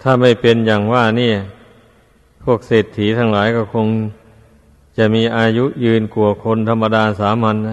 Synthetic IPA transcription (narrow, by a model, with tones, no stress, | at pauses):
t̪ʰaː˥˩ma˥˩jpe˧nja˨˩ŋwaː˥˩ni˥˩ɐ | pʰu˥˩ək̚seː˨˩t̪ʰːiː˩˦t̪ʰa˧ŋlaː˩˦jkɔː˥˩kʰo˧ŋ | t͡ɕa˨˩miː˧ʔaː˧ju˦˥jɯː˧nku˨˩ɐkʰo˧nt̪ʰa˧mːa˧daː˧saː˩˦ma˧nːa˦˥˩